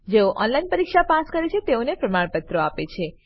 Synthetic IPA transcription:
d͡ʒeoʔɔnlainpəɾikʃapaskəɾet͡ʃʰet̪eonepɾəmaɽpət̪ɾoapet͡ʃʰe

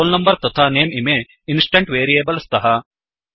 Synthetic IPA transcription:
oːlnɐmbɐɾt̪ɐt̪ʰaːneːmimeː | insʈɐɳʈʋeːɾieːbɐlst̪ɐɦɐ

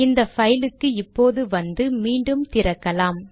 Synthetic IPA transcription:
ɪnd̪ɐfɐjlɯkːɯɪpːoːðɯʋɐnd̪ɯmiːɳɖɯmt̪ɪɾɐkːɐlaːm

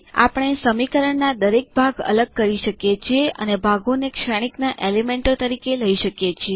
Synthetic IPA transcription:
a̰pəɳ̃esəmikəɾəɳnad̪əɾek̚bʱaɡə̰ləɡ̚kəɾiʃəkjet͡ʃʰieʔə̰nebʱaɡonekʃaɽ̃iknaʔelimeɳʈot̪əɾikeləiʃəkjet͡ʃʰie

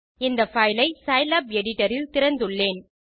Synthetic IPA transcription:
ɪnd̪ɐfɐjlɐɪsɐɪlɐpɛɽɪʈːɐɾɪlt̪ɪɾɐnd̪ɯɭːeːn

